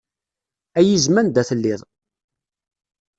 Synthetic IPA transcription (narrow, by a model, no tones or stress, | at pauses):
æjizmænd̪æθəlːiɪðˤ